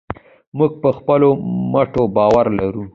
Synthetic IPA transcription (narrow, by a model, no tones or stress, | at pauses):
muɡ̚pəxpəlomaʈobɑwaɾlaɾu